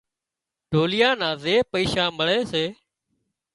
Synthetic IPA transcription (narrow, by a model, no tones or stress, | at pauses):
ɖʱoːlɪjãːnãːzeːpəiːʃãːməɭeːseː